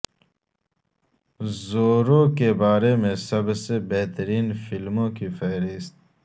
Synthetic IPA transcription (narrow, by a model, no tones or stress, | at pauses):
zoːɾõːkebaːɾemẽsɐbsebeɦt̪əɾiːnfilmõːkifɐɦɾist̪̚